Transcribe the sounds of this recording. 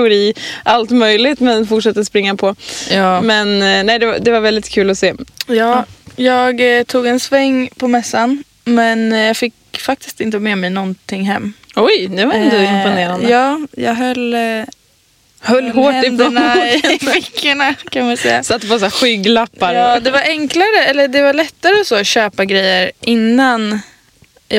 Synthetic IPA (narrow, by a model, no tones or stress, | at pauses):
ɛʊɾiːʔalt̪mœjlɪt̪mɛnfʊʈʂɛt̪ːəspɾɪŋːapʰɔː | mɛnnɛɪd̪ɛvad̪ɛvaɾvɛld̪ɪt̪kʰʉ̟ːlɔseːjɑːjɑːɡt̪ʰuːɡɛnsvɛŋːpʰɔmɛsːan | mɛnjɑːɡfɪk | fak̚t̪ɪ̥st̪ɪnt̪əmɛːmɛjnɔnt̪ʰɪŋːɦɛmːɔjd̪ɛvaɾɛnt̪əɪmpʊneːɾand̪jɑːjɑ̰ːɡɦœl | hœlːhoːɛɪd̪nafɪkʰːəɳakʰanaɪsɛ̰jːa̰sat̪ːpɔsaɧʏɡlapːaɾjɑːd̪ɛvaɾɛŋklaɾəɛlːəɖɛvaɭɛt̪ːaɾəɔsoːɕøːpaɡɾɛjːəɾʔɪnːan | jʔ